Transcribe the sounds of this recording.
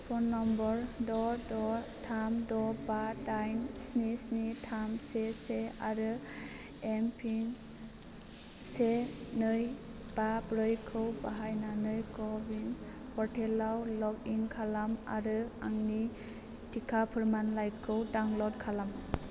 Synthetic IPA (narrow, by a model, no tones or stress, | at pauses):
pʰɔnːɔmbɔɾdɔdɔtʰamdɔbadajnsnisnitʰamseseaɾɯ | empʰin | senɯj | b̥abɾɯjkʰɯwbaɦajnanɯjkɔbin | pɔɾtʰelawlɔɡinkʰalama̰ɾɯa̰ŋni | tʰikʰapʰɯɾmanlajkʰɯwdaŋlɔt̚kʰalam